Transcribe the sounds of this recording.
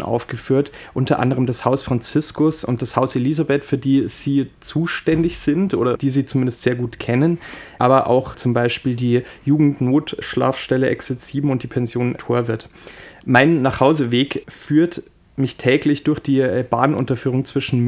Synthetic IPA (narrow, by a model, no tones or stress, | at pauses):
ʔa̰ʊfɡ̥əfyːɐt | ʔʊntɐʔa̰ndəʁəmdashaʊsfʁ̥ant͡sɪskʊsʊ̰nt̚d̥ashaʊseliːzabɛtfyːɐdiːz̥iːt͡suːʃtɛndɪçz̥ɪntʔo̰ːɾɐd̥iːziːt͡sʊmɪndəstz̥eːɐɡuːtkʰɛnənʔaːbɐʔa̰ʊxt͡sʊmbaɪʃpiːldiːjuːɡŋ̩tnoːtʃla̰ːfʃtɛləʔɛ̰ksɛt͡siːbm̩ʊntd̥iːpʰɛnzjoːntʰoːɐvɪɐtmaɪnːaːχhaʊzəveːkfyːɐt | mɪçtʰɛːklɪçd̥ʊɐçd̥iːb̥a̰ːnʔʊ̰ntɐfyːʁ̞ʊŋt͡sv̥ɪʃn̩m